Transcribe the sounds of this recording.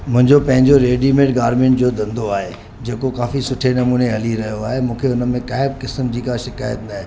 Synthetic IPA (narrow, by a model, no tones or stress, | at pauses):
mʊ̃ɦɪ̃ɲd͡ʑopɐ̃ɦɪ̃ɲd͡ʑoɾeːɖimẽːʈɡaːɾmẽːɳʈ̚d͡ʑoːd̪ɐ̃nd̪oaːɦe | d͡ʑeːkokaːfisʊʈʰenɐmuːneɦɐliɾɐɦijoaːɦemũːkʰeʊnəmẽkaːɦɪb̚kɪsəmd͡ʑiːkaʃɪkaːjət̪naɦẽ